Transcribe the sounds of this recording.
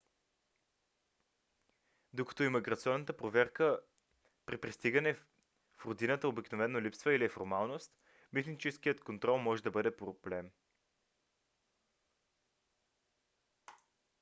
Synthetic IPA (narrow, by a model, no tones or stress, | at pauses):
d̪okə̥t̪oimiɡɾɐt̪siɔnːət̪əpɾovɛɾkə | pɾipɾist̪iɡənɛ | fɾod̪inət̪əobiknovɛnːolipsvəiliɛfoɾmalˠnost̪ | mit̪nit͡ʃɛskijət̪kont̪ɾɔlˠmɔʒɛd̪ɐbɤd̪ɛpɾoblɛm